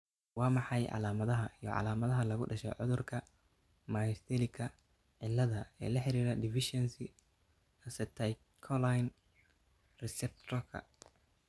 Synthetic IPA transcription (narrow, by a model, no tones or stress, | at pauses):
wɑːmɑħɑjʕɑ̰laːmɐðɐɦɐijɔʕɑ̰laːmɐðɐɦɐlɐɣʊɖɐʃɛ̰ʕʊ̰ðʊrkʰɐ | maːjɪst̪ʰɛlɪkʰɐ | ʕɪlːɐðɐɛ̰ːlɐħɪɾiːɾɐd̪ɪfɪʃɛnsɪ | ɐsɐt̪ʰɐj | kʰɔlajn | rɛsɛp̚t̪ʰɔkʰɐ̰